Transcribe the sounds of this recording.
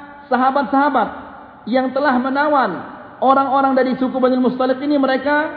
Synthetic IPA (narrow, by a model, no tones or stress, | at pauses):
saɦabat̪̚saɦabat̪̚ | jaŋt̪əlahmənawan | oɾaŋoɾaŋdaɾisukubanɪlmust̪alɪkiniməɾeka